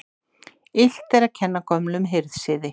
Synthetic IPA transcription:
ɪl̥t̪ɛɾacʰɛnːakʰɔmlʏmɦɪɾðsɪːðɪ

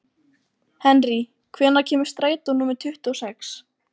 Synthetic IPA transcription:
hɛnri | kʰvɛːnacʰɛːmʏ̥st̪ɾaːjt̪unuːmɪɾt̪ʰʏht̪uɔsɛks

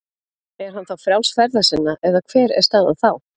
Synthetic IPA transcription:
ɛɾ̥ɦanθawfɾjawlsfɛɾðasɪnːaʔɛðakʰv̥ɛːɾɛ̰ɾ̥st̪aːða̰ðθaw

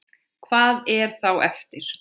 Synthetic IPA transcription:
kʰvaːðɛɾ̥θawʔɛft̪ɪɾ̥

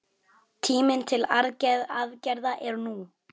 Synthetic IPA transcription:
t̪ʰiːmɪnt̪ʰɪlaɾðcajðaðcɛɾðaʔɛɾnu

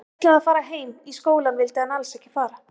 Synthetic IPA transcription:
t̪laaðfaːɾaɦeːjmiskoːwlanvɪlt̪ɪanalsɛhcːɪfaːɾa

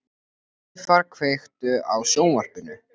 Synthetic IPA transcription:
faɾkʰvejxt̪ʏawsoːwnvar̥pɪnʏ

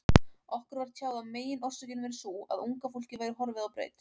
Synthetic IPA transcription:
ɔhkʏɾvaɾ̥t̪ʰjaːwðameːjɪnʔɔr̥sɛcɪnmɛɾɪsua̰ðuŋkafol̥cɪvaːjɾɪɦɔɾvɪðawpɾḛːjt̪

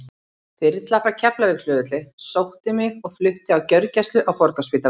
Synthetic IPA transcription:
fɪɾɪt̪lafacʰɛplavɪkl̥ʏːðʏt̪lɪsowht̪ɪmɪɣɔɣflʏht̪ɪawcœɥɾcast̪lʏʔawpɔɾkaspɪːt̪a

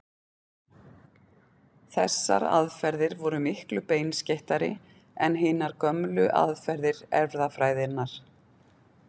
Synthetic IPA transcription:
θɛsːa̰ɾa̰ðfɛɾðɪɾvɔɾʏmɪhklʏpeːjnsceht̪aɾɪ̰ | ɛnɦɪːnaɾ̥kœmlʏʔa̰ðfɛɾðɪɾɛvɾðafɾaːjðɪnːaɾ̥

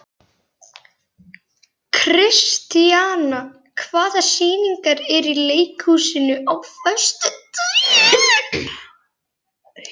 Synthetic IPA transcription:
kʰɾɪst̪iaːna | kʰvaːðasiːniŋkaɾɛɾileːjkhuːsɪnʏʔawfœst̪t̪

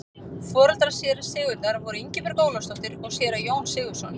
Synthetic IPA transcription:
fɔːɾalt̪ɾasjɛːɾḁsɪːɣʏɾt̪aɾvɔɾʏiɲcɪvɛɾkoːwlast̪ɔht̪ɪɾɔɣsjɛːɾajoːwnsɪːɣʏ̥sɔn

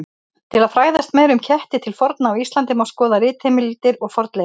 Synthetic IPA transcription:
t̪ʰɪlaðfɾaːjðast̪mɛːɾʏmcʰɛht̪ɪt̪ʰɪlfɔɾt̪naːwist̪lant̪ɪmawskɔːðaɾɪːt̪hemɪliːt̪ɪɾɔɣfɔɾt̪le

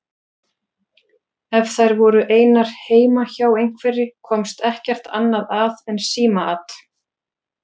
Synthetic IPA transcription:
ɛvθajɾvɔɾʏʔeːjnaɾ̥heːjmaçaːwejŋ̥kvɛɾɪkʰɔmst̪ɛhcɛr̥t̪ʰa̰nːaðaðɛnsiːmaa̰t̪

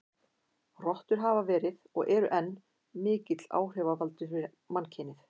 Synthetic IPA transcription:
rɔht̪ʏɾ̥ɦaːvavɛːɾɪðɔɣʔɛɾʏʔɛnː | mɪːcɪt̪l̥a̰ːwr̥ɛvavalt̪ʏfɪ | mancʰɪːnɪθ

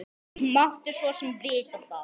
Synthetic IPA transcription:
maht̪ɪsvɔsɛmvɪːt̪ɪθa

